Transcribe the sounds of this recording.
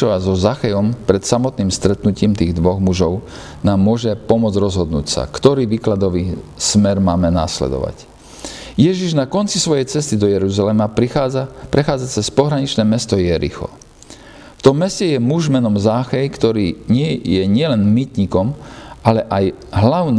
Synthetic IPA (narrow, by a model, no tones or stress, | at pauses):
ɔazɔzaxɛjɔmpɾɛt̪samɔt̪niːmst̪ɾɛt̪nuciːmt̪iːɣd̪ʋɔɣmuʒɔʊ | naːmːʊɔʒɛpɔmʊɔd͡zɾɔzɦɔd̪nṵːcsa̰kt̪ɔɾiːʋiːklad̪ɔʋiːsmɛɾmaːmɛna̰ːslɛ̰d̪ɔ̰ʋa̰c | jɛʒiʒnakɔnt͡sisʋɔjɛjt͡sɛst̪id̪ɔjɛɾuzalɛmaapɾʔɛxaːd͡zat͡sɛspɔɦɾaɲit͡ʃnɛːmɛst̪ɔjɛɾḭxɔ̰ | ft̪ɔmːɛscɛjɛmuʒmɛnɔmzaːxɛjkt̪ɔɾiːɲɪɛjɛɲɪɛlɛnmit̪ɲikɔmʔalɛʔaj | ɦlaʊn